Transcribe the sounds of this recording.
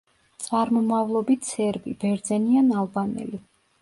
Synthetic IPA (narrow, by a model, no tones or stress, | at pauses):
t̪sʼaɾmɔmavlˠɔbit̪ʰsɛɾbibɛɾd̪zɛnianalˠbanɛ̰li